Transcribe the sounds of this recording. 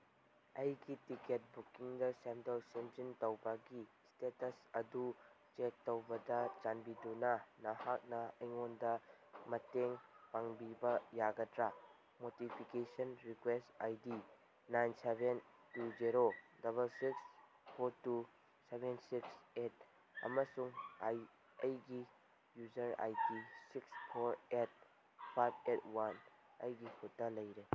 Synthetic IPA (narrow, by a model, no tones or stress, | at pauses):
ɐjɡitiket̚bukiŋdɐsemdolsend͡ʒintɐwbɐɡi | stetɐsɐdu | t͡ʃek̚tːowbɐdɐt͡ʃanbidunɐnɐhak̚nɐɐjŋondɐmɐteŋpaŋbibɐjaɡɐdɾɐ | motipʰikesɐnɾikwestajdi | najnseben | tud͡ʒiɾodɐβɐlsiks | pʰoɾtu | sebʱensikset̚ | ɐ̰mɐsuŋaj | ɐjɡi | juzɐɾa̰jtisikspʰoɾet̚ | pʰajb̚ʰet̚wan | ɐ̰jɡihʰutːɐlɐjɾe